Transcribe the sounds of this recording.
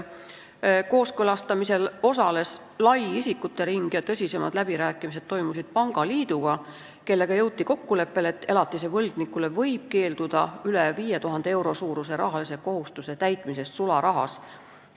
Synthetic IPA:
ko̞ːskølɑst̪ɑmise̞lo̞s̬ɑle̞s | lɑjisʲikːut̪ːe̞ɾiŋɡ̥jɑt̪ɤsʲise̞mɑ̰d̪̥læb̥iɾæːkːˑimis̬e̞d̪̥t̪ːo̞jmusid̪̥̚pɑŋɡ̥ɑliːd̪̥uɡ̥ɑ | ke̞lːe̞ɡ̥ɑjɤwt̪ːˑiko̞kːule̞pːe̞let̪ːe̞lɑt̪ːˑise̞vɤlɡ̥nikːˑule̞vɤ̞jb̥̚ke̞ːld̪̥ud̪̥ɑyleviːjet̪uɦɑnd̪̥ee̞wɾo̞suːɾuse̞ɾɑ̰ɦɑlise̞ko̞ɦust̪use̞t̪æjt̪ˑmise̞st̪sulɑɾɑɦɑ̰s

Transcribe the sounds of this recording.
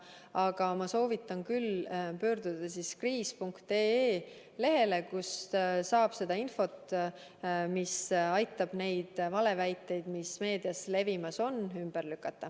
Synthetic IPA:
ɑɡ̥ɑmɑso̞ːvit̪ːˑɑnkylpø̞ːrd̪̥ud̪̥ɑsiskriːspuŋkt̪ee | le̞ɦe̞le̞kussɑːb̥se̞d̪̥ɑinfo̞t̪ | misɑjt̪ːˑɑb̥ne̞jd̪̥vɑle̞væjt̪ːˑe̞jd̪̥misme̞ːd̪iɑsle̞vimɑso̞nymb̥erlykːˑɑt̪ːˑɑ

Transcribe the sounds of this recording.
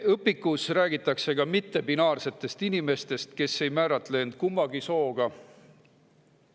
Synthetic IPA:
ɤpːˑikːˑusræːɡ̥it̪ːˑɑkse̞ɡɑmit̪ːe̞binɑːrse̞t̪ːˑe̞st̪inime̞st̪e̞st̪ke̞sːe̞jmæːɾɑt̪ːˑle̞ːnd̪̥̚kumːɑɡiso̞ːɡ̥ɑ

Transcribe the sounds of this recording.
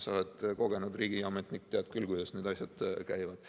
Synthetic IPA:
so̞lɛd̪̥ko̞ɡ̥e̞nud̪riːɡ̥iɑmet̪ˑnik̚t̪ːeɑd̪kylkujd̥̪ɑsneːd̪̥ɑsʲjɑd̪̥kæjvɑd̪̥

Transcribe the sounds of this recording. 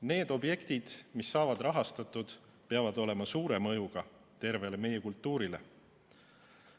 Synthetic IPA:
ne̞ːd̪̥o̞bje̞kt̪id̪̥misːɑːvɑd̪rɑɦɑst̪ɑt̪ːˑud̪̥ | peɑvɑd̪o̞le̞mɑsuːɾe̞mɤjuɡ̥ɑ | t̪e̞ɾve̞leme̞jekult̪ˑːuːɾile̞̰

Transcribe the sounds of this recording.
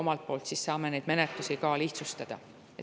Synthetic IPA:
omɑlt̪̚po̞ːlt̪sissɑːme̞ne̞jd̪me̞net̪ːˑusikɑliht̪sust̪ɑd̪̥ɑ̰ | e

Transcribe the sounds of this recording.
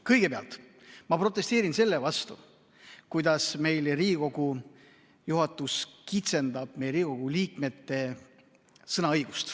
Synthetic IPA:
kɤjɡ̥e̞peɑ̰lt̪ˑ | mɑpro̞t̪ːˑe̞st̪e̞ːɾinse̞lːevɑst̪ṵ | kujd̪̥ɑsme̞jlriːɡiko̞ɡu | juɦɑt̪ːˑuskit̪se̞nd̪̥ɑb̥̚me̞jɾiːikoɡ̥uliːkme̞t̪ːe̞ | sɤnɑɤjɡ̥ust̪

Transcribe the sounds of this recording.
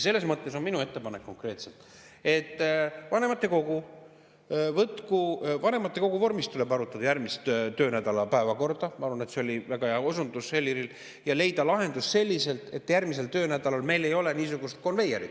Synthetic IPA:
se̞lːesmɤt̪ːe̞so̞nminue̞t̪ːe̞pɑnekːo̞ŋkre̞ːt̪selt̪ːˑ | e̞t̪ːˑvɑne̞mɑt̪ːe̞ko̞ɡ̥u | vɤt̪kuvɑne̞mɑt̪ːˑe̞ko̞ɡuvo̞rmist̪ulebɑɾut̪ːˑɑd̪̥ɑjæɾmist̪t̪ø̞ːnæd̪̥ɑlɑpæevɑko̞rd̪̥ɑmɑɑɾvɑne̞t̪se̞o̞lʲivæɡ̥ɑjɑosund̪usːelʲːiɾil | jɑle̞jd̪̥ɑlɑɦe̞nd̪usse̞lʲːise̞lt̪ˑe̞̰t̪ːjærmis̬e̞lt̪ø̞ːnæd̪̥ɑlɑlme̞jle̞jo̞le̞niːsuɡ̥ust̪̚ko̞nve̞jeɾḭt̪

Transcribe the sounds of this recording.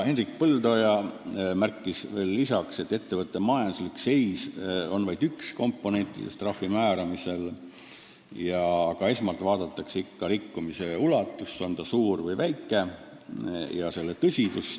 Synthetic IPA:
he̞nrik̚pɤld̪o̞jɑmærkːˑisve̞ːlːisɑkse̞t̪ːe̞t̪ːe̞vɤt̪ːˑe̞mɑjɑnd̪̥uslikse̞jso̞nvɑjd̪̥yksko̞mpːo̞ne̞nʲt̪ːˑḭd̪est̪rɑhfːimæːɾɑmise̞l | jɑːɡ̥ɑe̞smɑlt̪vɑːd̪̥ɑt̪ːˑɑkseikːɑɾikːumise̞ulɑt̪ːˑust̪ːo̞nd̪ɑsuːrvɤjvæjkːˑe̞ | jɑse̞lːet̪ɤsʲid̪us

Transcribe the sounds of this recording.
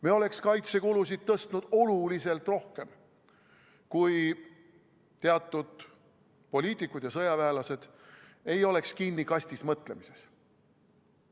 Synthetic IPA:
meo̞le̞kskɑjt̪se̞kulus̬id̪̥̚t̪ɤst̪nud̪̥o̞lulise̞lt̪ro̞hke̞m | kuj | t̪eɑt̪ˑːud̪̥ | po̞lʲiːt̪ˑikːˑud̪̥jɑsɤjɑvæːlɑse̞d̪̥e̞jo̞le̞kskinːikɑsʲt̪ismɤt̪ˑle̞mise̞s

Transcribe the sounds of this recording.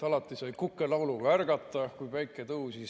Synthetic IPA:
ɑlɑt̪ːˑisɑjkukːˑelɑwluɡ̥ɑærɡ̥ɑt̪ːˑɑkujpæjkːˑet̪uːsi

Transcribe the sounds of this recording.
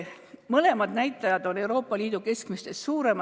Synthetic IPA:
mɤle̞mɑd̪næjt̪ːˑɑjɑd̪̥o̞ne̞wɾo̞ːpˑːɑliːd̪̥uke̞skmist̪e̞st̪suːɾe̞mɑ

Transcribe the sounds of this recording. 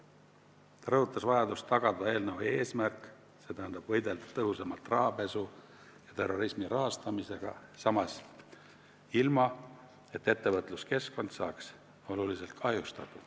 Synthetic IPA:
t̪ɑɾɤɦut̪ːˑɑsvɑjɑd̪ust̪ːɑɡ̥ɑd̪̥ɑe̞ːlnɤwie̞ːsmærkːˑ | se̞t̪æɦænd̪̥ɑb̥vɤjd̪̥e̞ld̪̥ɑ̥t̪ɤɦusemɑlt̪rɑɦɑpe̞su | jɑt̪e̞rːo̞ɾismiɾʔɑɦɑst̪ɑmise̞ɡ̥ɑ̰sɑmɑs | ilmɑ | e̞t̪ːe̞t̪ːe̞vɤt̪ˑluske̞sko̞nd̪̥sɑːks | o̞lulise̞lt̪̚kʰɑjust̪ɑt̪u̥

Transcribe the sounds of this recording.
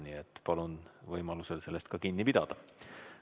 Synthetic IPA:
niet̪ːˑpɑlunvɤjmɑluse̞lse̞lːe̞st̪̚kɑkinːipid̪̥ɑd̪̥ɑ

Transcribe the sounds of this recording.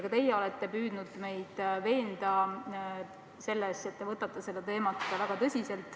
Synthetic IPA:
ɡ̥ɑt̪e̞jːeo̞let̪ːe̞pyːd̪̥nud̪̥me̞jd̪̥ve̞ːnd̪̥ɑ | se̞lːese̞t̪ːevɤt̪ːˑɑt̪ːˑɑse̞lːet̪e̞ːmɑt̪ːvæɡ̥ɑt̪ɤsʲise̞lt̪ːˑ

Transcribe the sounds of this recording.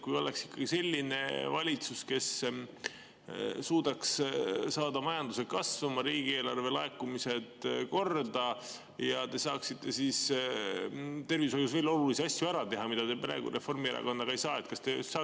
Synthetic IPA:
kujo̞leksi̥kːɑɡ̥ise̞lʲːine̞̰vɑlʲit̪suske̞s | suːd̪̥ɑkssɑːd̪ɑmɑjɑnd̪̥use̥kɑsvɑmɑɾiːɡ̥ie̞ːlɑrve̞lɑe̞kːumise̞d̪̥ko̞rd̪ɑ | jɑt̪e̞sɑːksit̪ːe̞sis | t̪e̞rvisojusve̞ːlo̞luliseɑsʲjuæɾɑt̪e̞ɦɑmid̪ɑd̪e̞pɾæ̰ːeɡ̥ṵɾe̞fo̞rmieɾɑ̰ko̞nd̪ɑɡɑejsɑːe̞t̪kɑst̪e̞sɑː

